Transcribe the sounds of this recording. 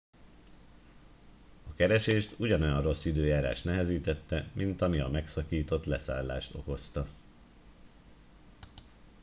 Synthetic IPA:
ɒkɛɾɛʃeːʃt̪uɟɒno̞jɒnro̞sːid̪øːjaːɾa̰ːʃt̪nɛɦɛziːt̪ɛt̪ːɛmint̪ɒmiɒmɛksɒkiːt̪o̞t̪lɛsa̰ːlːa̰ːʃt̪o̞̰ko̞st̪ɒ

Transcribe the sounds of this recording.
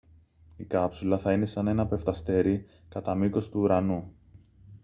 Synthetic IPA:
ikɐpsulɐθɐine̞sɐne̞nɐpe̞ft̪ɐst̪e̞ɾi | kɐt̪ɐmiko̞st̪uːɾɐnu

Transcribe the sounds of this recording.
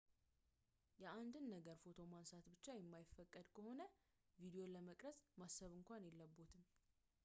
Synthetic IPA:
jɛʔand̪ɨnːəɡəɾfo̞t̪ʰo̞mansat̪bɨt͡ʃːajɛmːajɪfːəkʼːəd̪kʰəho̞nə | vid̪ijo̞ləməkʼɾəsʼmasːəβɨŋkʷanjɛlːəbːut̪ʰɨm

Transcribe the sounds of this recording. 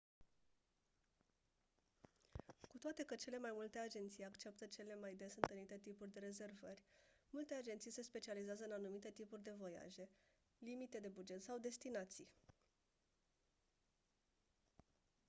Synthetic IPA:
kut̪oat̪e̞kət͡ʃe̞le̞majmult̪e̞ad͡ʒe̞nt̪sijakt͡ʃe̞p̚t̪ət͡ʃe̞le̞majd̪e̞sɨnt̪ənit̪e̞t̪ipurʲd̪e̞ɾe̞ze̞rvərʲmult̪e̞ad͡ʒent̪sijse̞spe̞t͡ʃializeazəɨnanumit̪e̞t̪ipurʲd̪e̞vo̞ja̰ʒe̞ | limit̪e̞d̪e̞bud͡ʒe̞t̪sawd̪e̞st̪inat̪sij

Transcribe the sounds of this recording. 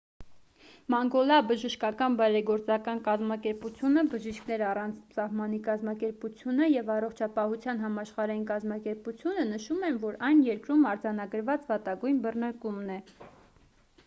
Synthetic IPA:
mɑŋɡɔlɑbəʒəʃkɑkɑnbɑjɾɛɡɔɾt͡sɑkɑnkɑzmɑkɛɾput͡sʰjunəbəʒiʃkʰn̪ɛɾɑrɑnt͡sʰsɑhmɑnikɑzmɑkɛɾput͡sʰjunəjɛvɑrɔχt͡ʃʰɑpɑɦut͡sʰjɑn̪ɦɑmɑʃχɑɾɑjinkɑzmɑkɛɾput͡sʰjunənəʃumɛnvɔɾɑjnjɛɾkɾumɑɾd͡zɑnɑɡəɾvɑt͡svɑt̪ɑɡujnbərnəɾkumnɛ

